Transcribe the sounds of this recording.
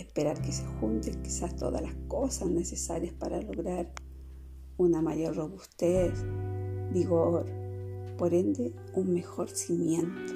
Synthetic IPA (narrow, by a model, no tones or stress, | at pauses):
ehpeɾaɾkesexunt̪eŋki̥sast̪oða̰laskosahnesesaɾjaspaɾaloɣɾaɾ | unamaʎoɾroβust̪esbiɣoɾpoɾend̪e | unmexoɾsimjent̪o̥